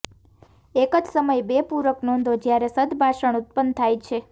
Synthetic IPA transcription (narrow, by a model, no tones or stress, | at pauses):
ekəd͡ʒsəməjbepuɾəknɔnd̪ʱod͡ʒjaɾesəd̪bʱaʃəɳut̪̚pənt̪ʰajt͡ʃʰe